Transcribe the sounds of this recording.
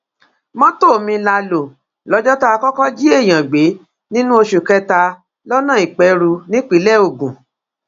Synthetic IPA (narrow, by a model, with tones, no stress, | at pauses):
mɔ̃˦to˦˨mĩ˧la˧lo˨ | lɔ˨˦d͡ʒɔ˦tɔ˦a˧kɔ˦kɔ˦d͡ʒi˦e˦˨j̃ã˨ɡ͡be˨˦ | nĩ˦nũ˦o˧ʃu˨kɛ˧ta˧ | lɔ˦nã˦˨i˨k͡pɛ˧ɾu˧nĩ˦k͡pi˨˦lɛ˦˨o˨ɡũ˨